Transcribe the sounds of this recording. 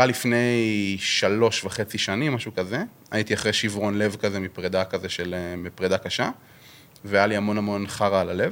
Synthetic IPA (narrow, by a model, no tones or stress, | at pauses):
alifne̞jʃalo̞ʃvaχe̞t͡siʃanimːaʃukaze | ajit̪iaχʁeʃivʁo̞nlevkazemipʁed̪akazeʃelemipʁed̪akaʃa | veajaliamo̞namo̞nχaʁalale̞v